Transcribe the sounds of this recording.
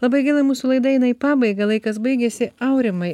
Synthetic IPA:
lˠɐbɐɪɡʲɪlˠɐmuːsulˠɐɪd̪ɐjɪnɐɪpɑːbɐɪɡɐlˠɐɪkɐs̬bɐɪɡʲɛsʲɪɐʊɾʲɪmɐɪ

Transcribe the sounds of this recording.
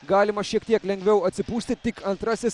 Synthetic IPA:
ɡaːlʲimɐʃekt̪ʲijɐklʲẽŋɡʋʲewɐt͡sɨpust̪it̪ːikʰɐnt̪ɾɐsʲes

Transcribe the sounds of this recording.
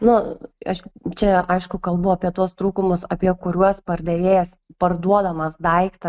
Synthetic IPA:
nʊɐʃt͡ʃʲɛɐɪʃkʊkɐlˠbʊɐpʲiɛt̪uɔst̪ɾuːkʊmʊsɐpʲiɛkʊɾʲuɔspɐrʲd̪ʲɛʋʲeːjɛs | pɐrd̪uɔd̪ɐmɐsd̪ɐɪkt̪ɐ

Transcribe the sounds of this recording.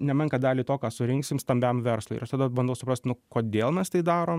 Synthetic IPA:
nʲɛmʲɛŋkɐd̪ɑːlʲiːt̪oːkɑːsʊɾʲɪŋksʲɪmst̪ɐmʲbʲɛmʋʲɛɾslˠʊɪɪ̰ɾɐʃt̪ɐːd̪ɐbɐnd̪ɐʊsʊpɾɐsʲt̪nʊkoːd̪ʲeːlˠmʲɛst̪ɐɪd̪ɑːɾoːm

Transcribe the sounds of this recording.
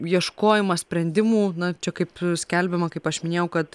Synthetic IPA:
jiɛʃkoːjɪmɐsʲpʲɾʲɛnʲd̪ʲɪmuːnɐt͡ʃʲɛkɐɪpsʲkʲɛlʲbʲɪmɐkɐɪpɐʃmʲɪnʲeːjɛʊkɐt̪

